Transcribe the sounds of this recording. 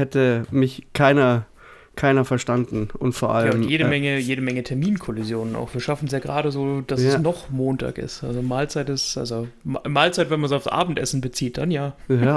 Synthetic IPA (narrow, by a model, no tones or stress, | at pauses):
hɛtəmɪçkʰaɪnɐ | kʰaɪnɐfɛɐʃtandn̩ʊntfoːɐʔalaʊmnjeːɾəmɛŋəjeːɾəmɛŋətʰɛɐmiːnkʰɔlɪzjoːnəna̰ʊxv̥iːɐʃafn̩s̬jaːɡʁaːɾəzoːd̥asɛsnɔχmoːntʰa̰ːkɪ̰stʔa̰lzomaːlt͡saɪtɪsʔa̰lzommaːlt͡saɪtvɛnmansaʊsʔa̰ːbm̩tʔɛsn̩bət͡siːt̚d̥anjaːja